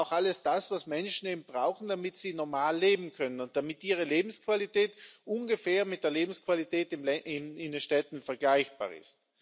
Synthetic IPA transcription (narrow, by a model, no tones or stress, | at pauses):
ʊxʔaləsd̥asv̥asmɛnʃn̩eːbmn̩b̥ʁaʊxn̩damɪtsiːnɔɐmaːlːeːbm̩kʰœnənʊnt̚d̥amɪtʔiːʁəleːbm̩skv̥alitʰɛːtʔʊnɡəfɛːɐmɪt̚d̥eːɐleːbm̩skv̥alitʰɛːtɪmɛɪnɪndenʃtɛtn̩fɛɐɡlaɪçb̥a̰ːɐɪ̰st